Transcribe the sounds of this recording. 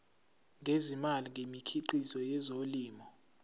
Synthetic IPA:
ŋʱezimaliŋɡemikʰiǃisɔjɛzoliːmɔ

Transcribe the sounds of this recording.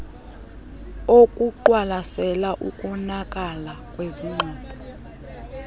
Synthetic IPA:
okʼuǃwalasɛlaʔukʼɔnakʼalakʼweziŋ͡ǃʱɔːdʱɔ

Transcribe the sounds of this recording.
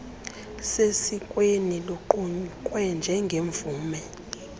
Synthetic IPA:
sesikʼweniloǃuɲǃʼwɛnd͡ʒʱɛŋɡʱeɱbvuːmɛ

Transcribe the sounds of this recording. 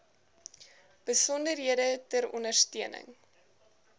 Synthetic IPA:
b̥əsɔndərɦiədətəɾɔ̰ndərstiənə̰ŋ

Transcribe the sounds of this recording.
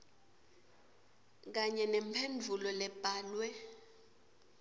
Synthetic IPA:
k̬aɲɛnɛmpʰend͡vʱulɔlɛb̥ʱaːlwɛ

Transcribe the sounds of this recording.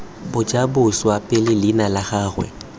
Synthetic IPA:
bʊd͡ʒʼabʊswapʼɛlɪlɪnalaɣaːrwɛ̰

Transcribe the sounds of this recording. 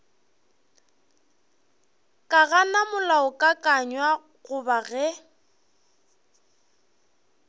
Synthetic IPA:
kʼaɣanamʊlaʊkʼakʼaɲwa | ɣʊbaɣɛ

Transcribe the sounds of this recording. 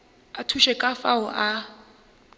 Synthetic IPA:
atʰuʃɛkʼafaʊʔa

